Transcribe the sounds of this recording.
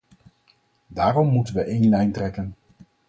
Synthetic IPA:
daːrɔmːutənʋəʔejnlɛjntrɛkən

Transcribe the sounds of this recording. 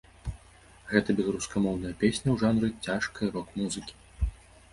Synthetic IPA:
ɣɛt̪ɐbʲɛlˠɐɾuskɐmɔwn̪ɐjɐpʲesʲnʲɐwʐanɾɨt͡sʲaʂkɐɾɔkmuzɨkʲi̥

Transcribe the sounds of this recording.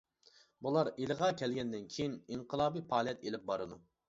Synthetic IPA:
bulˠɑɾelɨʁɑkʲʰɛlɡʲɛnd̪ɪnkʲʰejiniɴqʰəlˠɑːbipʰɑːlˠjɛt̪elɪp̚bɑɾɨd̪u

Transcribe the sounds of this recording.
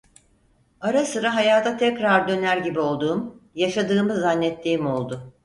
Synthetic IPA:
aɾasɯɾaɦajaːt̪ʰat̪ʰɛcɾaɾd̪ø̞næɾɟibio̞lˠd̪uːmjaʃad̪ɯːmɯzanːɛt̪ːiːimo̞lˠd̪ʊ

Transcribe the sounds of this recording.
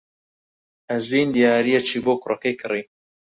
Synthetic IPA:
ɐziːnd̪ijaːɾijɛt͡ʃʰiːboːkʊɾokejkʰɨriː

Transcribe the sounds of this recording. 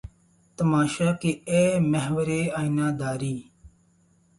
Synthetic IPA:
t̪əmaːʃaːkeeːməɦʋəɾeːaːinaːd̪aːɾiː

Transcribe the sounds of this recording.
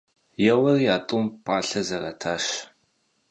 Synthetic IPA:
jɛwɐrijaːtʼʊmpʷʼaːɬɐzɐrɐtʰaːʃ

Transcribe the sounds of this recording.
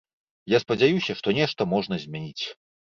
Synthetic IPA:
jaspɐd͡zʲajusʲɐʂt̪ɔnʲɛʂt̪ɐmɔʐnɐzʲmʲɛnʲit͡sʲ

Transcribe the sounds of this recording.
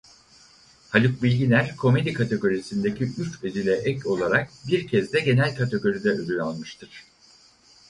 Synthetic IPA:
halʲuk̚bilʲɟilʲæɾkʰo̞me̞d̪ikʰat̪ʰe̞ɡo̞ɾisind̪e̞cʰiʔyt͡ʃezilʲɛʔɛco̞lˠaɾak̚biɾcʰɛzd̪ɛɟe̞nælʲkʰat̪ʰe̞ɡo̞ɾid̪ɛød̪ynʲalˠmɯʃt̪ʰɯɾ̥

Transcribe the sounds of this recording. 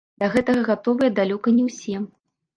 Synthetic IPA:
d̪̥ɐɣɛt̪ɐɣɐɣat̪ɔvɨjɐd̪alʲɔkɐnʲɛwsʲɛm

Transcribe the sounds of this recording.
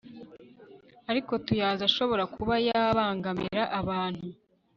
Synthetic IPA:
aɾiko̞tujaːzaʃo̞βo̞ɾakuβajaβaːŋɡamḭɾaʔaβaːn̥hu

